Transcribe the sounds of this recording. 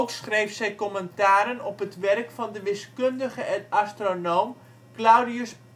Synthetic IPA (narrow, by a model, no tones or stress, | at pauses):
ksχrejfsɛjkɔməntaːɾənɔpətʋɛrkfɑndəʋɪskøndəχəɛastronoːm | klawdiəs